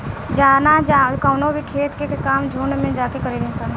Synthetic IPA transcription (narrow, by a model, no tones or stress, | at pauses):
d͡ʒaːnad͡ʒakaːnobʱikʰeːt̪kekaːmd͡ʒʱuːɳmẽd͡ʒaːkekəɾeːliẽsən